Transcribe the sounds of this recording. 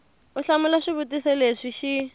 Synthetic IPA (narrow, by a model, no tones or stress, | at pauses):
ʊɬamʊlaʂibutisɛleʂiʃi